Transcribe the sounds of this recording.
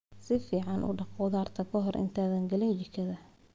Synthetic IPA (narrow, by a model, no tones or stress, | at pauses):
sɪfiːʕɑnʔʊ̰ɖɑqʊːðaːrt̪ʰɐkʰɔɦɔrʔɪ̰nt̪ʰaːðɐŋɡɐlɪnd͡ʒɪkʰɐðɐ